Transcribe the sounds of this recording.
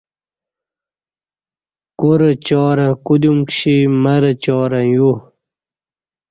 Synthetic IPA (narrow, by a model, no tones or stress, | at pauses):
kuɾət͡ɕɔːɾɐkud̪umkɕiməɾət͡ɕɔːɾɐju